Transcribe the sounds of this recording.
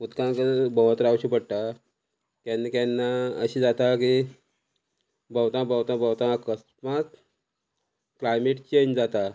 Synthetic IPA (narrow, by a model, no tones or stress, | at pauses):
ut̪kãkəbəʋət̪ɾawɕipəɽʈ̪a | kjanːikanːaəɕid͡zat̪aki | bəwt̪ãbəwt̪ãbəwt̪ãəkəsmat̪ | klajmeʈt͡ɕeɲd͡zat̪a